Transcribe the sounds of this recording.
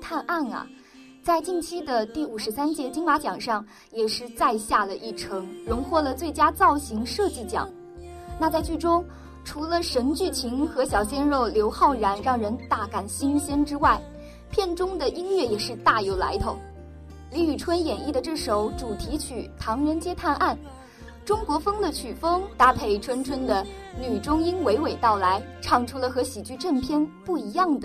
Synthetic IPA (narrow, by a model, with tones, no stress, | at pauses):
t̪ʰa˥˧nʔa˥˩nɐ̰˩ | t͡sa˥˧ɪt͡ɕi˥˩˧ŋt͡ɕʰi˥d̪ə˨t̪i˥˩u˨˩ʂɻ̩˧˥sa˥nt͡ɕjɛ˧˥t͡ɕi˥ŋma˧˥t͡ɕjɑ˨˩ŋʂɑ˥˩ŋ | jɛ˨˩ʂɻ̩˥˧t͡sa˥˧ɪɕja˥˩lə˩ʔi˥˩ʈ͡ʂʰɤ˧˥ŋɻʊ˧˥ŋxwɔ˥˩lə˩t͡swe˥˩ɪt͡ɕja˥t͡sɑ˥˩ʊɕi˧˥ŋʂɤ˥˧t͡ɕi˥˩t͡ɕjɑ̰˨˩˦ŋ | na˥˧t͡sa˥˧ɪt͡ɕy˥˩ʈ͡ʂʊ˥ŋ | ʈ͡ʂʰu˧˥lə˧ʂə˧˥nt͡ɕy˥˩t͡ɕʰi˧˥ŋxɤ˧˥ɕjɑ˨˩ʊɕjɛ˥nɻo˥˩ʊljo˧˥ʊxɑ˥˩ʊɻa˧˥nɻɑ˥˩ŋɻə˧˥nt̪a˥˩ka˥˩nɕi˥nɕjɛ˥nʈ͡ʂɻ̩˥wa˥˩ɪ | pʰjɛ˥˩nʈ͡ʂʊ˥ŋd̪ə˨ʔi˥nɥɛ˥˩jɛ˨˩ʂɻ̩˥˧t̪a˥˩jo˧˥ʊla̰˧˥ɪt̪ʰo˧˩˦ʊ | li˧˥y˨˩ʈ͡ʂʰwə˥njɛ˨˩ni˥˩d̪ə˩ʈ͡ʂɤ˥˩ʂo˨˩ʊʈ͡ʂu˨˩t̪ʰi˧˥t͡ɕʰy˨˩t̪ʰɑ˧˥ŋɻə˧˥nt͡ɕjɛ˥t̪ʰa˥˧nʔa˥˩n | ʈ͡ʂʊ˥ŋkwɔ˧˥fɤ˥ŋd̪ə˨t͡ɕʰy˨˩fɤ˥ŋt̪a˥pʰe˥˩ɪʈ͡ʂʰwə˥nʈ͡ʂʰwə˥nd̪ə˨ | ny˨˩ʈ͡ʂʊ˥ŋi˥nwe˧˥ɪwe˨˩ɪt̪ɑ˥˩ʊla˧˥ɪʈ͡ʂʰɑ˥˩ŋʈ͡ʂʰu˥lə˨xɤ˧˥ɕi˨˩t͡ɕy˥˧ʈ͡ʂə˥˩ŋpʰjɛ˥npu˥˩i˧˥jɑ˥˩ŋd̪ə˩